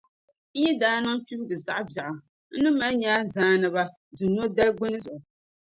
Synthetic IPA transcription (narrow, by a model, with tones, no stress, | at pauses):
ji˦daː˦nɨ˦ŋfi˦bɨ˦ɡɨ˨za˨ʔbja˨ʔa˨ | n̩˦nɨ˦ma˦ɲaː˦zaː˦nɨ˨ba˦ | du˨n˦o˦da˦lɡ͡bo˦nɨ˦zʊ˨ʔʊ˨